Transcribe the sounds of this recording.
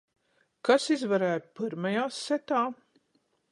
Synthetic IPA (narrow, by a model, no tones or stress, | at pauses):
kasizvaɾæːt̪pɨɾmajaːsːɛt̪aː